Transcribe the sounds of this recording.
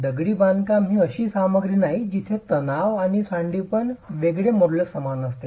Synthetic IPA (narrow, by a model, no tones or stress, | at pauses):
d̪əɡɽiːbankamɦiːəɕiːsaməɡɾinaɦid͡ʑit̪ʰet̪ənaʋaɽ̃isãɳɖiːpəɳʋeɡɭemoɾləksəmanəst̪e